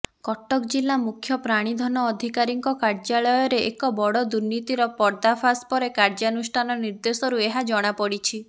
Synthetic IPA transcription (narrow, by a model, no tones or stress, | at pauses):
kɔʈɔkd͡ʒilːamukʰjɔpɾaɽ̃id̪ʱɔnɔːd̪ʱikaɾiŋkɔkaɾd͡ʒaɭɔjɔɾeʔekɔbɔɽɔd̪uɾnit̪iɾɔpɔɾd̪apʰaspɔɾekaɾd͡ʒanusʈʰanɔniɾd̪esɔɾueɦad͡ʒɔɽ̃apɔɽit͡ʃʰi